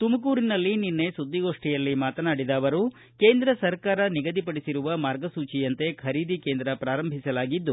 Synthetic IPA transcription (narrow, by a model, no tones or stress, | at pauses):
t̪umɐkuːɾinɐlːininːe̞sud̪ːiɡo̞ːʂʈijɐlːimaːt̪ɐnaːɽid̪aːʋɐɾu | ke̞ːnd̪ɾɐsɐɾkaːɾɐniɡɐd̪ipɐɽisiɾuʋɐmaːɾɡɐsuːt͡ʃijɐnt̪e̞kʰɐɾiːd̪ikeːnd̪ɾɐpɾaːɾɐmbʱisɐlaːɡid̪ːu